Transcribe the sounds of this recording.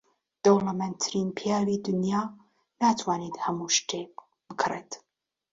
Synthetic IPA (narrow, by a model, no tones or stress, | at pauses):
d̪̥owlamɛnt̪ʰɾinpʰjaːwiːd̪ʊnja | naːt̪ʰwaːnit̪hɐmuʃtʰep | b̥ɨkʰret̪